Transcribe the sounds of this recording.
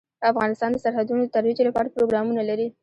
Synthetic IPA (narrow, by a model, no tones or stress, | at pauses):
d̪əafɣɑnɪst̪ɑnd̪əsaɾhad̪unod̪ət̪aɾwid͡ʒelapɑɾapɾoɡɾɑmunalaɾi